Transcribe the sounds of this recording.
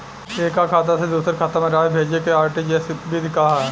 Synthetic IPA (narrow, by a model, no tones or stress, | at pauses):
eːkakʰaːt̪̬ased̪uːsəɾkʰat̪amẽɾaːbʱeːd͡ʒekeaːɾʈid͡ʒɛːsbɪd̪ʱkaɦ